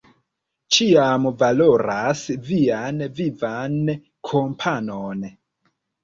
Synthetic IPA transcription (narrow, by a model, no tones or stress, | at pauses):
t͡ʃiamvalo̞ɾasvianvivan | kʰompʰanon